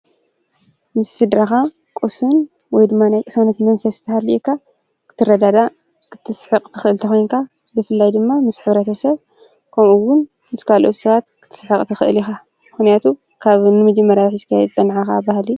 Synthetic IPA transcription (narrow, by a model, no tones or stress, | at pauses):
mɨsːɨd̪ɾaxa | kʼosun | wɔjd̪ɨmːanajkʼɨsɐnɐt̪mɐnfɐst̪ʰɐhaliʔkʰːa | kʰɨ̥t̪ʰːɨrɐd̪ad̪a | kʰɨ̥t̪ʰːɨsħɨqʼt̪ʰɨxɨʔɨlt̪ʰɐxo̞jnkʰa | zɨfɨlːajd̪ɨmːamɨsħɨβɾɐt̪ʰɐsɐβ | kʰɐmʔuwʊn | mɨskʰalʔo̞t̪sɐβat̪kʰɨ̥t̪ʰɨ̥sħɨqʼt̪ʰɐxɨʔɨ̰lixa | mɨxnijat̪ʰu | kʰaβnɨmɐd͡ʒɐmːɐɾaħiskʰajɛd̪t͡sʼɐnʕaxabahli